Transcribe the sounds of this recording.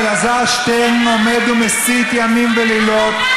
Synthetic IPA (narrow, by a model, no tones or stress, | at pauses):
ɡazaʃt̪enomed̪umesit̪jamimvelilot̪